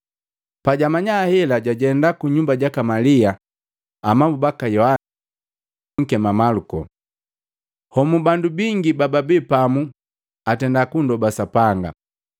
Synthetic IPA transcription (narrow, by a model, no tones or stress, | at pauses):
paɟamaɲahɛlaɟaɟɛndakuɲumbaɟakamaliaː | mambubakajɔha | ŋ̩kɛmamalukɔ̰ | hɔmubandubiŋɡibababɛpamu | atɛndakundɔbasapaŋɡa̰